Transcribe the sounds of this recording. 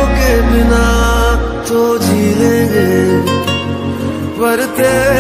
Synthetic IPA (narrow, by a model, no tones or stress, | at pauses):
keːmɪnaː | t͡ʃ̪oːd͡ʒiːɦẽːɡeː | ʋəɾt̪eː